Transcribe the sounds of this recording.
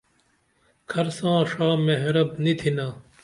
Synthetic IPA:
kʰɐɾsãːʂaːmeɦɾɐbnit̪ʰinaː

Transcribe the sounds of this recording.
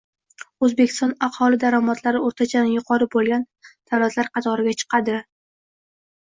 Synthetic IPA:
ɵzbe̞kʲʰɪ̥st̪ɒnɑhhɒlˠɪd̪aɾamat̪ʰlaɾɪoɾt̪ʰat͡ʃʰanɪjʊqʰɒɾɪbolˠɡʲan | t̪ʰaɾɒzlaɾqʰɑt̪ʰɒɾɪɡʲat͡ʃʰɨ̥qʰɑd̪ɪ

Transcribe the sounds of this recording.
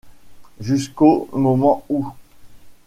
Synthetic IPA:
ʒyskomɔmɑ̃u

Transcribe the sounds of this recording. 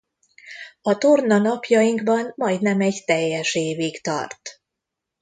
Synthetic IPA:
ɒt̪ornɒnɒpjɒjiŋɡbɒnmɒjd̪nɛmɛɟt̪ɛjːɛʃeːvikt̪ɒ̰rt̪

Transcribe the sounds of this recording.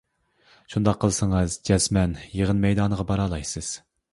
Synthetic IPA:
ʃund̪ɑqʰːəlˠɨsɨŋɨzd͡ʒɛsmɛnjeʁənmɛjd̪ɑːnəʁɑbɑɾɑːlˠɑjsɨz̥

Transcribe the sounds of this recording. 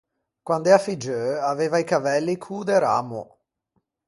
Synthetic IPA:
kwand̪ɛafid͡ʒøaveːvaikavɛlːikʰuːd̪eɾa̰ːmo̰

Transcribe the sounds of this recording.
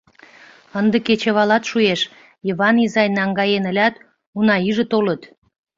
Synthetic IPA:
ənd̪ə̆ket͡ɕəβɑlɑt̪ʃueʃ | jəβɑnizɑjnɑŋɡɑjenə̆lʲɑt̪ | unɑyʒə̆t̪olət̪

